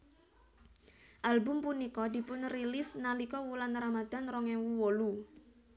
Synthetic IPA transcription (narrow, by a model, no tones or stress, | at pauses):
ʔalbʊmpunikɔd̪̥i̤pʊnrilɪsnalikɔwulanramad̪̥a̤nrɔŋɛwuwolu